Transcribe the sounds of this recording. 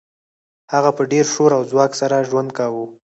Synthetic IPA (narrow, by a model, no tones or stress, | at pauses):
haɣapəɖeɾʃoɾawzwɑksaɾaʒwand̪̚kawu